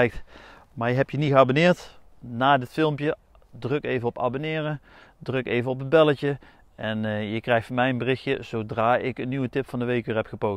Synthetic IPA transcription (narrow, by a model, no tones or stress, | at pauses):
jk̚t | maːɹjəɦɛpjəniχəabonɪːɹt | naːdɪtfɪlˠmpjə | drɵkejvənɔpa̰ːbonɪːrə | drɵkejvənɔpən̚bɛləcə | ʔɛnjəkrɛjxtfɑnmɛjənbərɪxjəz̥owdraːʔɪkənːiʋətɪpfɑndəʋejkyːɹɦɛpχəpow